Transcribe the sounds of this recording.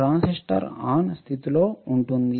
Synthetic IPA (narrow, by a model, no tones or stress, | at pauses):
ɾaːnsiʂʈɐ̰ɾaːnst̪ʰit̪ilo̞ːuɳʈund̪i